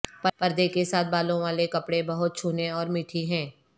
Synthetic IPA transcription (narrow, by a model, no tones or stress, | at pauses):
pɐpɐɾd̪ekesaːt̪̚ʰbaːlõʋaːlekɐpɽẽbɐɦʊt̪̚t͡ʃʰuːneɔːɾmɪʈʰiɦɛ̃ː